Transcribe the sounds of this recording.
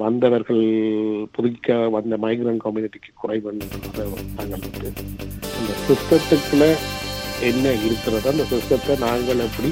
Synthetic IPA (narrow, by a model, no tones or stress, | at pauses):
ʋɐnd̪ɐʋɐɾɣɐɭpɔðɯɣɪkːɐʋɐnd̪ɐmɐɪɡɪɾɐːɳkɐmjuːnɪʈːikːɯ̥kːʊrɐɪʋɐɳɖɯɐnɐðɐnaːŋɡɐɭɯt̪ːɯɪnd̪ɐsɪst̪ɐt̪ːɯkːɯɭɐ | ɛnːɐɪɾɯkːɪɾɐðãːɪnd̪ɐsɪst̪ɐt̪ːɐnaːŋɡɐɭɐpːɐɽi